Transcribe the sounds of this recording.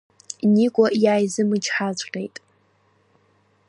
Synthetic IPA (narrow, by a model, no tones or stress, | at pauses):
nikʷʼɔjaːjzɨmɨt͡ʃʰħazʷʼrejtʼ